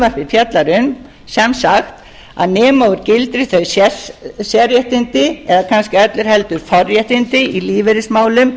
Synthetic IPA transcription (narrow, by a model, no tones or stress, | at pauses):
vaɾvɪfjɛt̪laɾʏm | sɛmsaxt̪ | a̰ðnɛːmaːwʏɾcɪlt̪ɾɪ̥θœɥsɛsjɛɾjɛht̪ɪnt̪ɪɛðakʰanscɪɛt̪lɪɾ̥hɛlt̪ʏɾ̥fɔrjɛht̪ɪnt̪ɪiliːvɛɾɪsmaːwlʏm